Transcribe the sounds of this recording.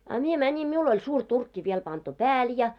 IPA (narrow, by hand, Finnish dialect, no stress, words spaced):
ɑ mie mænʲim miul olʲ suːr turkːi ʋiel pɑntu pæːl jɑ